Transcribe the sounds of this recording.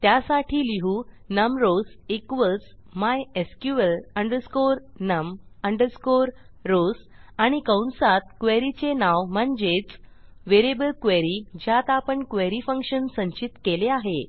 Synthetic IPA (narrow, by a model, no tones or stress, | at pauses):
t̪jasaʈʰiːliɦuː | nəmɾosekʋət͡s | majeskjuələɳɖəɾskoɾ | nəməɳɖəɾskoɾː | os | aɽ̃ikə̃wnsat̪kʋeɾit͡senawm̤əɳd͡ʑet͡sʋeɾebəlkʋeɾid͡ʑjat̪apəɳkʋeɾifəŋkʂənsəɲt͡ɕit̪keleaɦe